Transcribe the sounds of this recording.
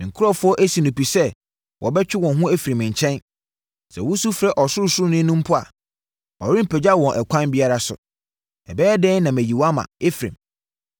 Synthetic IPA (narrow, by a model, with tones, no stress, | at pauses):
ɪ̃˨ŋ̩˨kʰʊ˦ɾɔ˦fʊ˦ɔ˦ʔæ˦si˨nũ˨pi˨sɛ˦ | wʔɔ̰˨bɛ˦t͡ɕᶣɪ˦wɔ̃˨nɦʊ̃˦æ˦fi˨ɾĩ˨mɪ̃˨ɲ˨t͡ɕʰɛ̃˦n | sɛ̰˨wʊ˦su˦fɾɛ˦˨ʔɔ˨sʊ˦ɾʊ˦sʊ˦ɾʊ˦nɪ̃˦nũ˦m̩˦pʰʊ˦a̰˨ | ɔ˨ɾɪ̃˦m̩˨pʰɛ˨d͡ʑa˦˨wɔ̃˨nʔɛ˨kʷʰã˦nbi˦a˦ɾa˦sʊ̰˨ | ɛ˨bɛː˦dɛ̃˦nã˨mæ˨ji˨wa˦mã̰˨e˦fɾḭ̃˨m